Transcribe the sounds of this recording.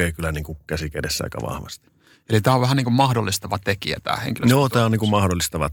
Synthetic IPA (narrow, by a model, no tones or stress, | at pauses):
eˑikylæniːŋkukæsikædesːæɑ̰ikɑ̰ʋɑ̰hʋɑst̪i̥ | elit̪æːoʋʋæhæniːŋkummɑhdolːist̪ɑʋɑt̪ekḭæ̰t̪æ̰ːhḛŋkiløjjoːt̪æːoniːŋkummɑhdolːist̪ɑʋɑ̰